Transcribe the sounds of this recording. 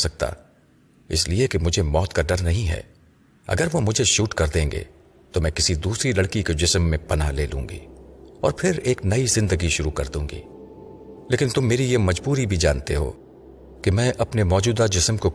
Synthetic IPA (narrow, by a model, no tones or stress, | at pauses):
sɐk̚t̪a̰ | ɪ̰sliekemʊd͡ʒʱemɔːt̪kaɖɐɾnɐɦĩɦɛ̰ː | ɐ̰ɡəɾʋomʊd͡ʒʱeʃuːʈkɐɾd̪ẽːŋɡḛː | t̪omɛ̃ːkɪsid̪uːsɾilɐɽkiked͡ʒɪsmːẽpɐnaleːlṵ̃ːŋɡḭːɔ̰ːɾpʰɪɾeːknɐizɪ̃nd̪əɡiʃʊɾukɐ̰ɾd̪ũːŋɡḭː | leːkɪnt̪ʊmːeːɾijemɐd͡ʒbuːɾibʱid͡ʒaːnt̪eɦo̰ː | kimɛ̃ːʔɐpnemɔːd͡ʒuːd̪ad͡ʒɪsmko